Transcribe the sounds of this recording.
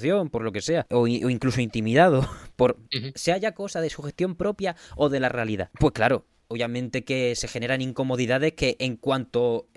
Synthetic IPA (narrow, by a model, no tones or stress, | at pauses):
θjo̞mpo̞ɾlo̞ke̞se̞aoʔoiŋkluso̞int̪imiðað̞opo̞ɾseaʝako̞saðe̞suxe̞st̪jo̞mpɾo̞pjao̞ðe̞lare̞aliða̰pwe̞hklaɾo̞ | oβjamẽ̞nt̪e̞ke̞se̞xe̞ne̞ɾanĩŋko̞mo̞ðiðað̞e̞hke̞ʔːŋkwant̪o̞